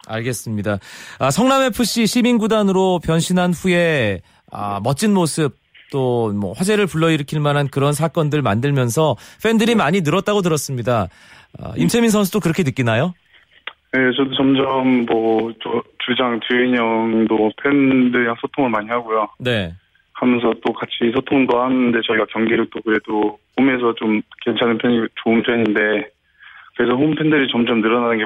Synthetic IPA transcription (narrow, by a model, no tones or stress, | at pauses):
a̰ɭɡe̞s͈ɯmɲidaasʰʌŋname̞pʰɯɕ͈iɕʰiminɡudanɯɾopjʌnɕʰinɦanɸue̞ | a̰mʌt͡ɕ͈inmosʰɯp̚t͈omʌ̰ɸwad͡ʑe̞ɾɯɭpuɭːʌiɾɯkʰiɭmanɦankɯɾʌns̬ʰak͈ʌndɯɭmandɯɭmjʌnsʰʌɸʰe̞ndɯɾimaɲinɯɾʌt̚t͈aɡot̬ɯɾʌs͈ɯmɲida | a̰imt͡ɕʰeminsʰʌns̬ʰut͈okɯɾʌkʰe̞nɯk͈inajo | jet͡ɕʌdot͡ɕʌmd͡ʑʌmːʌt͡ɕʌt͡ɕud͡ʑaŋt͡ɕuiɲʌŋdopʰe̞ndɯɲaŋsʰotʰoŋɯɭmaɲiɦaɡojone̞ | hamjʌnsʰʌt͈okat͡ɕʰisʰotʰoŋndohanɯnde̞t͡ɕʌiɡakjʌŋɡiɾɯt͈okɯɾe̞dohome̞s̬ʰʌt͡ɕomke̞nt͡ɕʰanɯnpʰenit͡ɕoɯnpʰeɲinde̞ | kɯɾe̞sʰʌɸompʰe̞ndɯɾit͡ɕʌmd͡ʑʌmnɯɾʌnanɯnɡe